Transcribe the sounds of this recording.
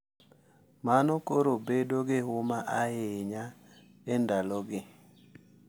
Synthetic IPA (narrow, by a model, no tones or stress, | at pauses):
manɔkoɾobedoɡɪɦʊmaʔaɪɲa | ɛndalɔɡɪ